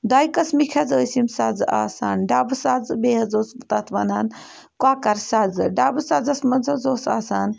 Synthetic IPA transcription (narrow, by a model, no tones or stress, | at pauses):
d̪ajkɐsmikʰad͡zəsimsad͡za̰ːsaːnɖabɨsad͡zbeɦɐd͡zoːsbət̪at̪ʰʋanaːn | kwakaɾsad͡zɨɖaːbɨsad͡zɐsmɐnd͡zʱəd͡zoːsaːsaːn